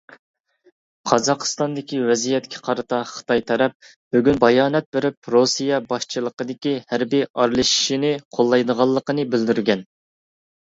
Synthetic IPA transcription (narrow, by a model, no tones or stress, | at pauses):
qʰɑzɑqʰst̪ɑnd̪ɪkʲiwɛzijɛt̪̚kʲʰi̥qʰɑɾɨt̪ɑχə̥t̪ʰɑjt̪ʰɛɾɛp̚ | byɡʲynbɑjɑːnɛt̪̚beɾɪp̚ɾosijɛbɑʃt͡ʃʰilˠəqəd̪ɪkʲihæɾbiɑɾlˠɨʃi̥ʃinɪqʰolˠːɑjd̪əʁɑlˠːəqənɨbɪld̪yɾɡʲɛn